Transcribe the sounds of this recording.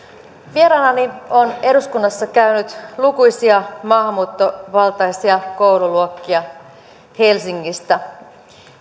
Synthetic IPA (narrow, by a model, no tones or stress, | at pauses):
ʋieɾɑːnɑnione̞ɾuskunːɑsːɑkæynyt̪lukujsiɑmɑːɦɑmːuːt̪ːo̞ʋɑlt̪ɑjsiɑko̞wluluokːiɑ | he̞lsiŋːist̪æ